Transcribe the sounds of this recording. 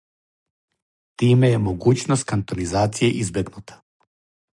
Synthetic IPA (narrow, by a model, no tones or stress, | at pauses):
t̪imɛːmoɡut͡ʃnost̪kant̪ɔnizat̪sijaʔizbɛɡnut̪ʰḁ